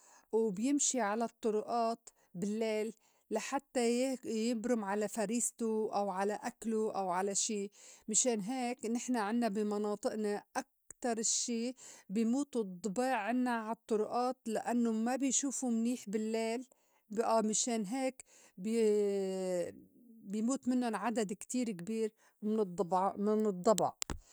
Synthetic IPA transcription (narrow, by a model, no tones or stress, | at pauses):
wbjɪmʃiʕalat̪ˤːʊɾʊʔɑːt̪ | bɪlːeːlː | aħat̪ːajjɪbɾʊmʕalafaɾiːst̪ʊʔawʕalaʔakluʔawʕalaʃiːmɪʃeːnɦeːknɪħnaʕɪnːabɪmɑnɑːt̪ˤɨʔnaʔak̚t̪ɑɾˤɪʃːiːbɪjmuːt̪ud̪ˤːbeːʕːɪnːaʕt̪ˤːʊɾʊʔɑːt̪laʔanːʊmabɪjʃuːfumniːħbɪlːeːl | bʔamɪʃeːnɦeːk | b | bɪjmuːt̪mɪnːʊnʕad̪ad̪kt̪iːɾkbiːɾ | mɪd̪bmɪnɨd̪ˤːɑbɑ̰ʕ